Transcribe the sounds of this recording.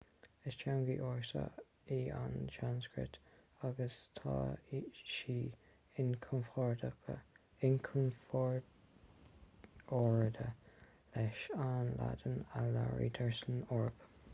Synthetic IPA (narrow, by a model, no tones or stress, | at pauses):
ɪst͡ʃʰanɡiːʔɔɹsa̰ | ianʃanskɹɪ̰t | aɡəst̪ʰɑːʃiː | ɪnkʰɔnfɔɹdəkə | ɪnkʰɔnfɔɹ | ɔɹd̪ə | lɛʃanla̰d̪ənalaɹḭd̪ʰɛɹsənɔɹp